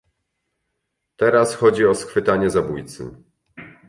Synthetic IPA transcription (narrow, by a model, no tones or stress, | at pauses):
t̪ɛɾasxɔd͡ʑiɔsxfɘt̪aɲɛzabujt̪sɘ̰